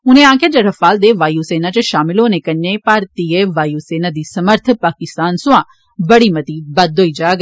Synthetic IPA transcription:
ʊnẽːãːkaːd͡ʒəɾəfaːld̪eːʋaːjuːseːnat͡ʃəʃaːmɪlɦoːnẽːkənːẽːpaːɾt̪ieʋaːjuːseːnad̪iːsəməɾt̪ʰpaːkɪst̪aːnsʊãː | bəɽiːmɐt̪iːbɐd̪ɦoːiːd͡ʒaːɡ

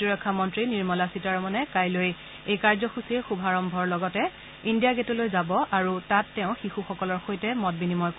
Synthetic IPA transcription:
iɹɔkʰːamɔntɹiniɹmɔlasitaɹmɔnɛkajloj | ejkaɹzɔxusiɹxubʱaɹɔmbʱɔɹlɔɡɔtɛ | indijaɡetolojzabɔʔaɹutatːɛʊ̃xixuxɔkɔlɔɹxojtɛmɔt̚binimɔjk

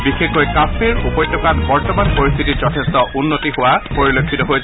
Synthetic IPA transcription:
bixekkojkafiɹupɔjtʰɔkatbɔɹtɔmanpoɹist̪ʰitizɔtʰestɔʔunːotiɦowapoɹilokʰːitɔɦoj

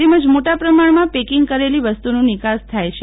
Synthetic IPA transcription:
eməd͡ʒmoʈapɾəmaɳmãpekiŋɡ̚kəɾeliʋəst̪unũnɪkast̪ʰajt͡ʃʰ

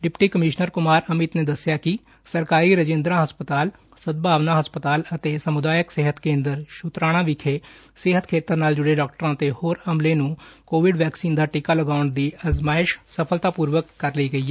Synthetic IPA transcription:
ɖɪpʈiːkəmɪːʃnəɾkʊmaːɾəmɪt̪neːd̪əsjaːkɪ | səɾkaːɾiːɾəd͡ʒẽːnd̪ɾãːɦəspət̪aːl | səd̪̚bʱaːʋnãːɦəspət̪aːlət̪eːsəmʊd̪aːjəksɪɦət̪kẽːnd̪əɾʃʊt̪ɾaːɽ̃ãːʋɪkʰeː | sɪɦət̪kʰeːt̪əɾnaːld͡ʒʊɽeːɖaːk̚ʈəɾãːt̪eːhoːɾəmlẽːnũːkoːʋɪɖʋɛːksiːnd̪aːʈɪkaːləɡaːʊəɳd̪iːəzmaːɪʃsəpʰəlt̪aːpuːɾʋəkːəɾləiːɡəiːɛː

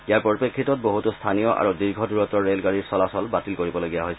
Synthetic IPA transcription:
ijaɹpɔɹipekʰːitɔt̚boɦutustʰanijɔʔa̰ɹudiɹɡʱɔduɹɔtɔɹelɡaɹiɹsɔlasɔlbatilkoɹibɔloɡijaɦojsɛ

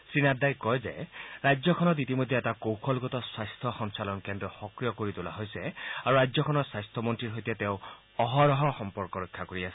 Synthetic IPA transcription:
sɹinadajkɔjzeɹajzɔkʰɔnɔt̬itimojd̪ʱjɛɛtakowkʰɔlɡɔtɔswajstʰɔxɔŋsalɔnkɛndɹɔxɔkɹijɔkoɹitula̰ɦojsɛaɹuɹajzɔkʰɔnɔɹswajst̪ʰɔmɔntɹiɹɦojtiɛteʊ̃ | ɔɦɔɹɔɦɔxɔmpɔɹkɔɹɔkʰːakoɹiasɛ̥

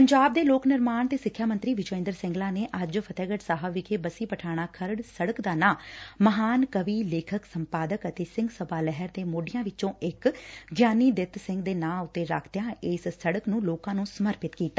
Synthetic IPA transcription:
pəɲd͡ʒaːb̚d̪eːloːknɪɾmaːnt̪eːsɪkʰːjaːmənt̪ɾiːʋɪd͡ʒoːɪ̃ːnd̪əɾsɪ̃ŋɡlãːneːʔəd͡ʒpʰət̪ɛːɡəʈsaːɦəʋɪkeːbəsiːpəʈʰaːɽ̃aːkʰəɾəɽsəɽəkd̪aːnãːməɦaːnkəʋiːleːkʰəksəmpaːd̪əkət̪eːsɪ̃ŋɡsəbaːlɛɦəɾd̪eːmoːɖɪjãːʋɪt͡ʃõːɪkɡjaːniːd̪ɪt̪sɪ̃ŋɡd̪eːnãːʊt̪ːeːɾa̰ːkʰd̪jãːɪssəɽəknũːloːkãːnũːsəməɾpɪt̪kiːt̪ːaː

